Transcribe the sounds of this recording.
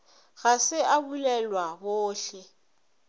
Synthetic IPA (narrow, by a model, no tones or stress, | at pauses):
ɣasɪʔabulɛlwaboːɬɛ